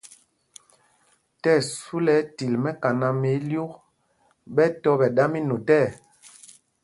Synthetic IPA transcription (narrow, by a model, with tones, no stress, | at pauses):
tɛ˦˨su˦lɛ˦ti˨lmɛ˦ka˨na˨me˨˦lju˦k | ɓɛ˦tɔ˦ɓɛ˨ɗa˦mi˦no˨tɛ˦˨